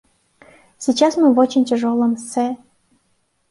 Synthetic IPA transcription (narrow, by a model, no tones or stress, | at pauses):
sʲit͡ɕasmɨvot͡ɕɪnʲtʲeʐolˠəmsɛ